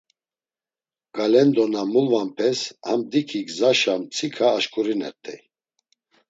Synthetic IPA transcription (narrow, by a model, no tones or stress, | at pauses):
ɡ̥alɛnd̪ɔnamulvampʰɛshamd̪ikʰikzaʃamt͡sʰikʰaːʃkʼuɾinɛt̪ʼʰɛj